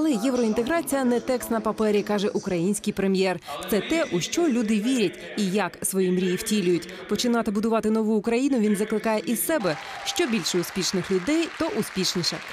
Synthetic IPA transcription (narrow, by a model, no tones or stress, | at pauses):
ɐlˠɛjɛwɾɔint̪eɦɾɑt͡sʲijɐnɛt̪ɛkst̪nɐpɐpɛɾʲikɑʒɛʔʊkɾɐjinʲsʲkijpɾemʲjɛrt̪sɛt̪ɛʔuʃt͡ʃɔlʲud̪ɪʋʲiɾʲɐtʲ | ijɐksʋɔjimɾʲijiwtʲilʲʊjʊtʲ | pɔt͡ʃɪnɑt̪ɪbʊd̪ʊʋɑt̪ɪnɔʋuʊːkɾɐjinʊʋʲinzɐklˠɪkɑjɛʔissɛbɛ | ʃt͡ʃɔbʲilʲʃɛʊsʲpʲiʃnɪxlʲʊd̪ɛjt̪ɔʔʊsʲpʲiʃnʲiʃɐ